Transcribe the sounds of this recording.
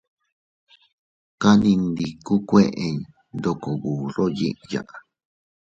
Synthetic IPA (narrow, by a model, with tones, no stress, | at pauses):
ka˦nĩ˧nd̪i˧ku˦kʷe˦˧ʔe˧ɲ˨ | nd̪o˧ko˨βu˨ɾo˦jḭ˦ʔja̰˨ʔa˨